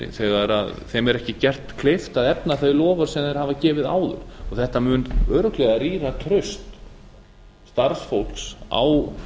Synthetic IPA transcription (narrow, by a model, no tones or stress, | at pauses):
θɛɣaɾa̰ðθɛmɛɾɛhcɪcɛr̥t̪kʰlɪft̪aðɛpnaθœɥlɔːvaɾ̥sɛmðɛɾ̥haːvacɛːvɪða̰ːwðʏ̰ɾ̥ɔɣθɛht̪amʏːnœːɾʏklɛɣaɾiːɾat̪ʰɾʏst̪ | t̪aɾsfowl̥ksa̰ːw